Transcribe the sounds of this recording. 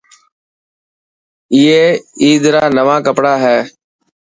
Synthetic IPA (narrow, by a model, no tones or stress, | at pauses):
iːeːiːd̪ɾaːnəʋãːkəpɽaːɦɛː